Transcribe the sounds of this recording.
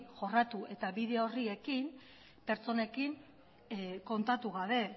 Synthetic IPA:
ʝo̞rat̪ue̞t̪aβiðe̞o̞rie̞kim | pe̞ɾt͡so̞ne̞kin | ko̞nt̪at̪uɣ̞aβe̞

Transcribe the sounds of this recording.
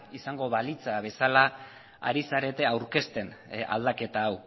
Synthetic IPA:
isaŋɡo̞βalit͡saβe̞sala | a̰ɾisaɾe̞t̪e̞awɾke̞st̪e̞na̰ld̪ake̞t̪aːw

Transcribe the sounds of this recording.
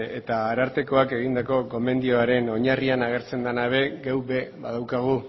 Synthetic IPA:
et̪aːɾaɾt̪e̞ko̞ake̞ɣind̪ako̞ko̞me̞nd̪io̞aɾe̞no̞ɲarianaɣ̞e̞ɾt͡se̞nd̪anaβe̞ɡewβe̞βa̰ðawkaɣ̞u

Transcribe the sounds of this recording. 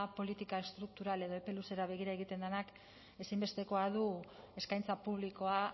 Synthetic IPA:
po̞lit̪ikae̞st̪ɾuk̚t̪uɾale̞ð̞o̞epe̞luse̞ɾaβ̞e̞ɣ̞iɾae̞ɣ̞it̪e̞nd̪enak | e̞simbe̞st̪e̞ko̞að̞u | e̞skajnt͡sapuβ̞liko̞a

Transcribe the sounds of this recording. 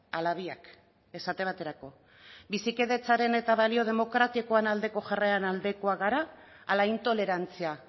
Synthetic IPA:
alaβiak | e̞sat̪e̞β̞at̪e̞ɾako̞ | bisike̞ðe̞t͡saɾe̞ne̞t̪aβalio̞ð̞e̞mo̞kɾat̪iko̞anald̪e̞ko̞ʝareanald̪e̞ko̞aɣaɾaː | laint̪o̞le̞ɾant͡sia

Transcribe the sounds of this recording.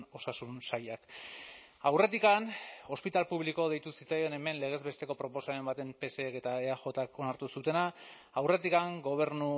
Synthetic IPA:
o̞sasunsajak | awre̞t̪̬ikano̞spit̪alpuβ̞liko̞ðe̞jt̪usit͡sajene̞me̞nle̞ɣ̞e̞zβe̞st̪e̞ko̞pɾo̞po̞same̞mbat̪e̞mpe̞seːke̞t̪aeaxo̞t̪akonaɾt̪usut̪e̞na | awre̞t̪ikaŋɡo̞β̞e̞ɾnu

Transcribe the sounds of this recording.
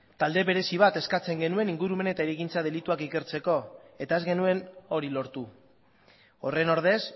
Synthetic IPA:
t̪ald̪e̞βe̞ɾe̞siβ̞at̪e̞skat͡se̞ŋɡe̞nue̞niŋɡuɾume̞ne̞t̪aeɾejkint͡sað̞e̞lit̪uakike̞ɾt͡se̞ko̞e̞t̪ae̞zɣe̞nue̞no̞ɾilo̞ɾt̪u | o̞re̞no̞ɾðe̞s

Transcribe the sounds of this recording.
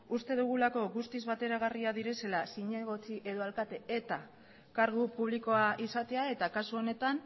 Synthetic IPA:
ust̪e̞ðuɣ̞ulako̞ɣust̪izβat̪e̞ɾaɣ̞ariaðiɾe̞se̞lasiɲe̞ɣo̞t͡siʔe̞ðo̞alkat̪e̞et̪a | kaɾɣupuβ̞liko̞aʔisat̪e̞ae̞t̪akasuo̞ne̞t̪an

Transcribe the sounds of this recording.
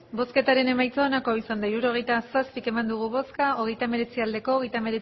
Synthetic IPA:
bo̞ske̞t̪aɾe̞ne̞majt͡saonako̞isand̪aiɾuɾo̞ɣ̞e̞jt̪asaspike̞mand̪uɣ̞uβo̞skao̞ɣ̞e̞jt̪ame̞ɾe̞t͡siald̪e̞ko̞ːɣe̞jt̪ame̞ɾe

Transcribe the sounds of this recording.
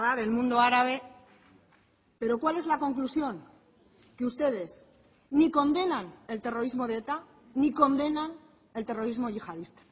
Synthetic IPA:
ðaɾe̞lmũnd̪o̞aɾaβ̞e̞ | pe̞ɾo̞kwale̞zlako̞ŋklusjo̞ŋ | ke̞ust̪e̞ð̞e̞z | niko̞nd̪e̞nane̞lt̪e̞ro̞ɾizmo̞ð̞et̪a | niko̞nd̪e̞nan | e̞lt̪e̞ro̞ɾizmoʝixað̞ist̪ḁ

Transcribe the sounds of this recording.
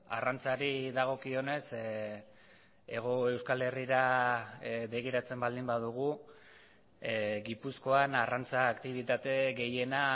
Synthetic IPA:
a̰rant͡saɾiðaɣ̞o̞kio̞ne̞s | e̞ɣ̞o̞e̞wskale̞riɾa | βe̞ɣiɾat͡se̞mbald̪imbað̞uɣ̞u | ɣipusko̞anarant͡saːkt̪iβ̞it̪at̪e̞ɣe̞je̞na

